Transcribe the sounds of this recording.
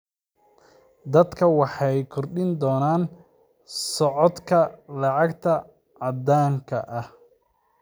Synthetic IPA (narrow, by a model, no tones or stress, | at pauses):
d̪ɐd̪kʰɐwɑħɑjkʰɔrɖɪnd̪ɔːnaːn | sɔʕɔd̪kʰɐlɑʕɑɡt̪ʰɐ | ʕɑd̪aːŋkʰɐʔɐh